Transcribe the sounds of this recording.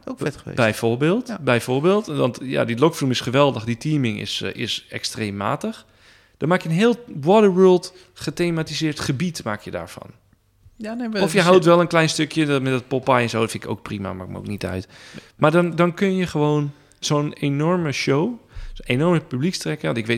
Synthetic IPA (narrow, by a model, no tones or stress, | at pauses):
okɛtḛbɛjfoɹbeːlˠtbɛjfoɹbeːlˠtʋɔntja̰dilokflumɪsχəʋɛlˠdəxditʰiːmɪŋɪ̰sɪ̰sɛ̰kstreːmːa̰ːtəx | d̥ɔnmaːkjənɦɪːlˠwɔdəʋøːlˠt | χəteːmatizɪːrtχəbitmakjəda̰ːɹfɔ̰n | ɔfjəɦawtʋɛlˠənklɛjnstøkʰjəmɛtdɔt̚popajə̃nsoːfɪ̃nɪko̰ːk̚prima̰ma̰ɪk̚mo̰wk̚nitœ̰ɥtmadɔndɔnkønjəxəʋoːn | zoːnenɔrməʃowenɔrməpyblikstrɛkəɔntɪkʋe